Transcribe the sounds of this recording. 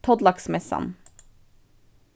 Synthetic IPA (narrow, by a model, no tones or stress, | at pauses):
t̪ʰɔd̪lɑksmɛsɑ̰n